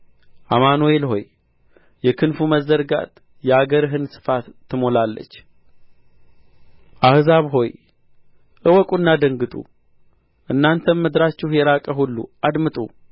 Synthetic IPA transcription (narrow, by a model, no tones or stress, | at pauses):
ʔamanoelɦo̞̰j | jɛkʰɨnfuməzːəɾɡa̰t̪ | jɛaɡəɾɦɨnsɨ̥fat̪ːɨmo̞lalːə̰t͡ʃː | ʔahzaβɦo̞j | ʔɨwɔkʼunːad̪əŋɡɨt̪ʼṵ | ʔɨnːant̪ʰənmɨd̪ɾat͡ʃːɪhjɛɾakʼəɦulːṵʔad̪mɨt̪ʼṵ